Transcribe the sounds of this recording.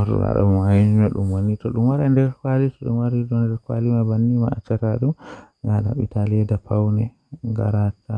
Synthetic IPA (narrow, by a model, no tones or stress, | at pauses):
ɔɾṵɡa̰ɗa̰majind͡ʒumaɗṵmwanːitɔɗumwaɾɛndɛɾkwalitɔɗṵmwaɾidɔndɛɾkwa̰limabanːima̰at͡ʃːataɗum | ɡala̰ɓḭtalɛdapawnɛ | ŋɡa̰ɾata